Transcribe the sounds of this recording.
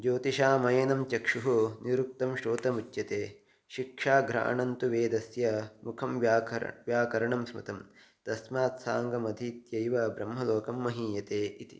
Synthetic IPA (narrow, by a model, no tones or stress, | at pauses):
d͡ʒoːt̪iʃaːmɐjɐnɐmt͡ʃɐkʂuɦuniɾuk̚t̪ɐmʃɾoːt̪ɐmut͡ʃjɐt̪eː | ʃikʂaːɡɾa̰ːɳɐnt̪uʋeːd̪ɐsjɐmukʰɐmːʋjaːkɐɾɐɳɐmsmɐt̪ɐm | t̪ɐsmaːt̪saːŋɡɐmɐd̪ʱiːt̪jɐjʋɐbɾɐmɦɐloːkɐmːɐɦiːjɐt̪eːit̪i̥̰